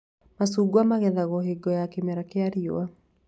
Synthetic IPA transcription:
masuːɡwamaɣɛðaɣɔɦeɡɔjakemɛɾakeaɾio̰a

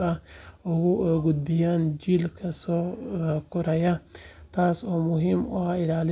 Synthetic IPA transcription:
ɐʊɣʊʔɔɡʊd̪̚bɪjaːnd͡ʒilkʰɐsɔːkʰʊɾɐjɐt̪ʰaːsɔːmʊɦiːmʊhaɪlaːlɪ

